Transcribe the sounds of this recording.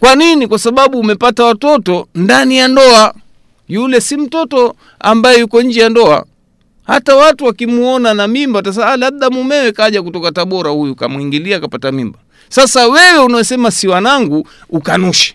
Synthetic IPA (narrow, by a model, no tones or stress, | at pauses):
kwaninikwasaɓaɓuːmɛpatawatɔtɔndanijandɔa | julɛsim̩tɔtɔ | a̰mbajɛjukɔɲ̩d͡ʒɛjandɔa̰ | ha̰tawatuwakimuɔnanamimbatas̬alaɓ̚ɗamumɛwɛkaʄak̬utɔkataɓɔɾahujuka̰muiŋɡiliakapatamimba | sasawɛwɛunawɛsɛmasiwanaŋɡu | ukanuʃɛ̥